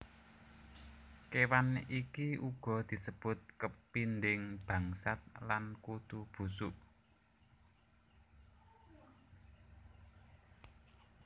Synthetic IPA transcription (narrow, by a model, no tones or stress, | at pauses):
kewanikiuɡ̥ɔ̤d̪̥i̤səb̥ʊ̤t̪̚kəpind̪ɪŋb̥ä̤ŋsat̪̚lankut̪ub̥ṳsuʔ